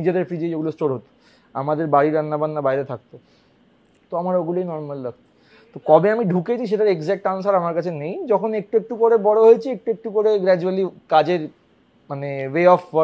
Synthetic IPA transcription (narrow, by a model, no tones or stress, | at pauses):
nid͡ʑed̪eɾfɾid͡ʑejeɡulosʈoɾɦot̪o̥ | a̰mad̪eɾbaɽiɾanːabanːabajɾet̪ʰak̚t̪o | t̪oamaɾoɡulojnɔɾmalɾak̚ʰt̪o | t̪okɔbeamiɖʱuket͡ɕʰiʃ̬eʈaɾeɡzɛk̚ʈansaɾamaɾkat͡ɕʰenejd͡ʑɔkʰonek̚ʈuek̚ʈukoɾebɔɽoɦojet͡ɕʰiek̚ʈuek̚ʈukoɾeɡɾɛd͡ʑualikad͡ʑeɾ | maneʋeɔf